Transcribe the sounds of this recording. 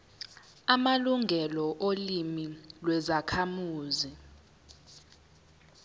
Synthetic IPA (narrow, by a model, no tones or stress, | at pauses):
amaluŋɡʱɛlɔʔolimilwɛzakʰamuːzi